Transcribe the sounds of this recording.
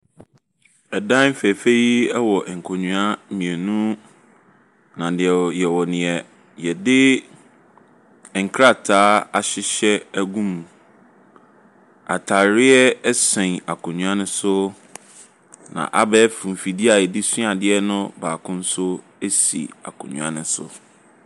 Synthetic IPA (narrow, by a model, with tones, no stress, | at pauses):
ɛ˨dã˦m˦fɛ˨fe˦ji˦ɛ˦wɔ˨ʔŋ̩˨kʰɔ˨ɲũ˨a˦mĩ˨e˨nũ˦ | nã˨dɪ˨ɛ˨jɛ˨wɔ˨nɪ̃˨ɛ˨ | jɛ˨dɪ˦˨ | ŋ̩˨kʰɾa˦˨tʰaː˨˦a˨ɕɪ˦ɕɛ˦æ˦ɡũ˦m˨ | a̰˨tʰa˨ɾɪ˦ɛ˦sɛ̃˨ŋa˨kʰʊ̃˨ɲũ˨ã˦nʊ̃˦sʊ˦ | nã̰˨ʔa˦bɛ˦fɾũ˨m˨fi˨di˦a˨jɛ˨di˦sũ˦a˨dɪ˦ɛ˦nʊ̃˦baː˨kʰʊ̃˦n̩˦sʊ˦ | e˦sḭ˨a̰˨kʰʊ̰̃˨ɲũ˨a̰˦nɪ̃˦sʊ̰˦